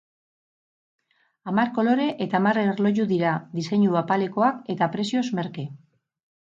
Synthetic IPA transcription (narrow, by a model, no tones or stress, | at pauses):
amaɾko̞lo̞ɾe̞ʔet̪amarerlo̞ʝuðiɾad̪ise̞ɲuapale̞ko̞ake̞t̪apɾe̞sio̞zme̞ɾke